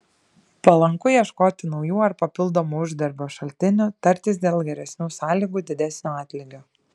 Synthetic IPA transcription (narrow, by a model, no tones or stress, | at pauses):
pɐlˠɐŋkʊjɛʃkoːt̪ʲɪnɒʊjuːɐɾpɐpʲɪlˠd̪omuːʊʒʲd̪ʲɛɾʲbʲoːʃɐlʲt̪ʲɪnʲut̪ɐɾʲt̪ʲɪsd̪ʲeːlˠɡʲɛɾʲɛsʲnʲuːsɑːlʲiːɡuːd̪ʲɪd̪ʲɛsʲnʲoːɑːt̪ʲlʲɪɡʲoː